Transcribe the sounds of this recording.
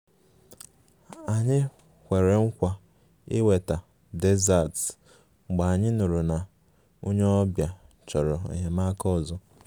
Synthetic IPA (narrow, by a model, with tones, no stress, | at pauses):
a˨ɲɪ˦ | hʷe˨ɾe˨ŋ̩˦kʷa˦ | ɪ˦we˨ta˨ | de˦za˦˨t̩˨ | ɡ͡ba˨a˨ɲɪ˦nʊ˨ɾu˨na˨ | o˦ɲe˦ɔ˦bja˨ | t͡ʃɔ˨ɾɔ˨ḛ˨ɦe˨ma˦kɔ˦˨zɔ˦